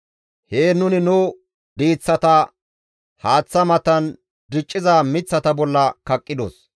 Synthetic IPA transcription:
heːnʊnɪnʊː | d̪iːt͡sːɐt̪ɐ | haːt͡sːɐmɐt̪ɐn | d̪ɪt͡ʃʼːɪzaːmɪt͡sːɐt̪ɐbɔlːɐkɐkʼːɪd̪o̰s

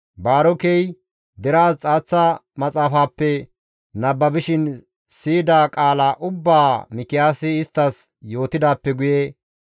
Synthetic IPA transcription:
baːɾɔkɛj | d̪ɛɾaːst͡sʼaːt͡sːɐmɐt͡sʼaːfaːpːɛ | nɐbːɐbɪʃɪn | siːd̪aːkʼaːlaʔʊbːaːmɪkːɪjaːsɪɪst̪ːɐs | jo̞ːt̪ɪd̪aːpːɛɡʊje

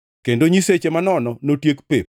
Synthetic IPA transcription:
kendoɲiset͡ʃemanɔnɔnotjekpep̚

